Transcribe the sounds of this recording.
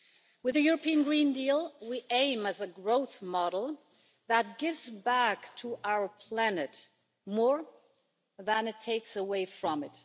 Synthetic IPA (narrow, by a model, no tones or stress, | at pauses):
wɨðɨjʊɹəpiɨ̃nɡɹĩndilˠwiʔẽɪ̃mɨzɨɡɹoʊθmɑɾl̩ˠ | ðət̚ɡ̥ɪvzbæktʰəʔaʊə˞pʰl̥ænɨt | mɔɹ | ðə̃nɨtʰːeɪksəweɪfɹʌ̃mɨt